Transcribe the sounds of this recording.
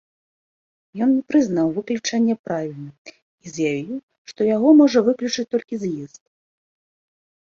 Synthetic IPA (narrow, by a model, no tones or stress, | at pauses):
jɔnnʲɛpɾɨznawvɨklʲut͡ʂanʲːɐpɾavʲilʲnɐ | izjavʲiw | ʂt̪ɔjaɣɔmɔʐɐvɨklʲut͡ʂɨt͡sʲt̪ɔlʲkʲizjist̪̚